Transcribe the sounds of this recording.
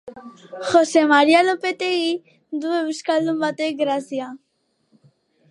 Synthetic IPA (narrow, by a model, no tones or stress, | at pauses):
xosemaɾialopet̪eɣi | d̪uβeβuskaɾd̪umbat̪eɡɾaθja